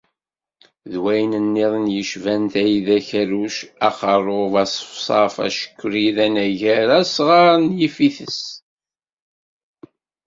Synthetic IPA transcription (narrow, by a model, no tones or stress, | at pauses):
ðwæjnənːiðˤnjəʃvænt̪æjiðæçæɾuʃæqərˤovɑsˤfsˤɑfæ̰ʃə̥kʷːɾiðænæʝæɾæsʁɑɾˤnjifiθəs